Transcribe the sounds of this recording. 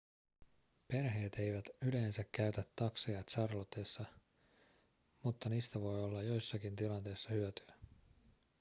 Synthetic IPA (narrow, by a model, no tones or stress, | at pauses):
pe̞rɦe̞ːt̪e̞jʋæt̪yle̞ːnsækːæɥt̪æt̪ːɑksejɑt̪sɑrlot̪esːɑ | mut̪ːɑniːst̪æʋo̞jo̞lːɑjjo̞jsːɑkint̪ilɑnt̪e̞jsːɑhyøt̪yæ